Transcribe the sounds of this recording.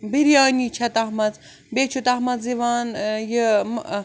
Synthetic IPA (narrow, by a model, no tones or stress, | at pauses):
biɾjaːnit͡ʃʰɐt̪ɐɦmɐz | bet͡ʃʰut̪ɐɦmɐzziʋaːnjim